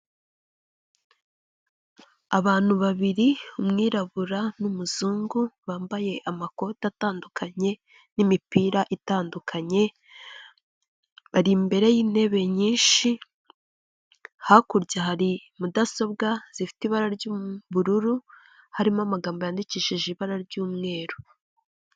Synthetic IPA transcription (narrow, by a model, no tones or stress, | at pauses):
aβaːn̥huβaβiɾiumŋiːɾaβuɾanumuzuːŋɡuβaːmbaje̞ʔamako̞tataːndukʰaɲe̞ | nimipiɾaʔitaːndukʰaɲe̞ | βaɾimbe̞ɾe̞jiːne̞βe̞ɲiːnʃi | hakuɾɟaɦaɾimudaso̞b̚ɡaz̥ifi̥tiβaɾaɾɟuβuɾuɾu | haɾimamaɡaːmbojaːndiciʃiʒiβaɾaɾɟuːmŋe̞ːɾo